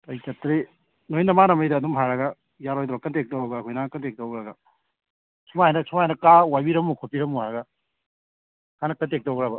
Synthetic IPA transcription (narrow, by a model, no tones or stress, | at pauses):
tɐjtɐtɾi | nojnɐmanɐmɐjdɐːdumɦaɾɐɡɐ | jaɾojd̪ɾɔkɐntek̚tawɾɐɡɐkʰojnɐkɐntek̚tawɡɾɐɡɐ | sʰumajnɐsʰumajnɐkawajbiɾɐmːukʰopiɾɐmːuhaɾɐɡɐ | kʰanɐkɐntek̚tawɡɾabɐ